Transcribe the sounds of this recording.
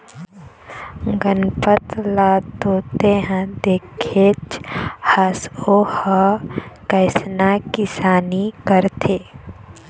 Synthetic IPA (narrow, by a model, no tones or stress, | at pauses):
ɡənpət̪lat̪oːt̪eɦɛ̃d̪eːkʰet͡ʃhasohəkəɪsnakɪsaːnikəɾt̪ʰeː